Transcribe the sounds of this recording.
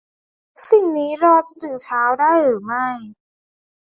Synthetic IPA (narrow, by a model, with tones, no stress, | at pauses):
si˨˩ŋniː˦˥ɾɔː˧t͡ɕa˧˩t̪ʰɯ˨˩˦ŋt͡ɕʰaː˦˥wdaː˥˩jɾɯː˩˦ma˥˩j